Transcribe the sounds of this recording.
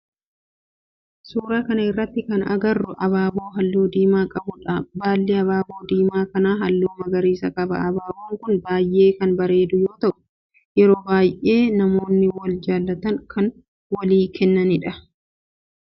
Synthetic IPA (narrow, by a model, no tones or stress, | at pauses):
suːɾaːkɐnɐɪrːɐt̪ːɪkɐnɐ̰ɡɐrːʊʔɐβaːboːɦɐlːoːd̪iːmaːkʼɐbʊᶑɐbaːlːɪɐβaːbo̞ːd̪iːmaːkɐnaːɦɐlːoːmɐɡɐɾiːsɐkʼɐbɐ̰ɐbaːboːŋkʊnbaːjʔe̞ːkɐnbɐɾe̞ːd̪ʊjo̞ːt̪ɐʔʊ̥ | jɛɾo̞ːbaːjʔe̞ːnɐmo̞ːnːɪwɐld͡ʒaːlːɐt̪ɐŋkʰɐn | wɐliːkʰɛnːɐnɪᶑɐ